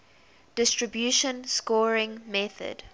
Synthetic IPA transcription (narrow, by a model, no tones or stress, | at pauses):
d̥ɪstɹəbjuʃə̃nskɔɹɪ̃ŋmɛθə̰d̥